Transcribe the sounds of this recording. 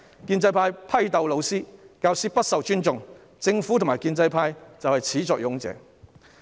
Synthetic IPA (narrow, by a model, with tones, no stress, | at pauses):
kiː˧nt͡sɐ˧jpʰaː˧jpʰɐ˥jt̪ɐ˨wlo˨˧wsiː˥kaː˧wsiː˥pɐ˥t̚sɐ˨wt͡ʃyː˥nt͡sʊ˨ŋ | t͡sɪ˧ŋfuː˨˥t̪ʊ˨ŋmaː˨˩jkiː˧nt͡sɐ˧jpʰaː˧jt͡sɐ˨whɐ˨jt͡sʰiː˨˥t͡sɔː˧k̚jʊ˨˥ŋt͡sɛ̰ː˨˥